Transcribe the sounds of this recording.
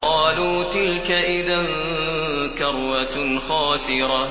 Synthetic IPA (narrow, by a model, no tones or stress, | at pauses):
ɑːluːt̪ɪlkaʔɪðan | kɑɾˤwaxɑːsɪɾɑ